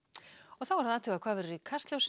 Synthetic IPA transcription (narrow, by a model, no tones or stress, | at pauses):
ɔɣθawvaɾhanaːt̪ʰʏlakʰvaːvɛɾʏɾikʰar̥st̪ljowsɪ